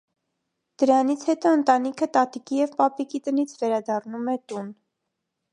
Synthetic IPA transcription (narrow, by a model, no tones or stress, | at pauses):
d̪̥əɾɑnit͡sʰhɛt̪ɔənt̪ɑnikʰət̪ɑt̪ikijɛvpɑpikit̪ənit͡sʰvɛɾɑd̪ɑrnumɛt̪un